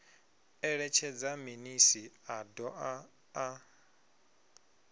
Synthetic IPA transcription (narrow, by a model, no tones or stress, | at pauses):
ɛɺɛt͡ʃʰɛd͡zaminisiadɔa | a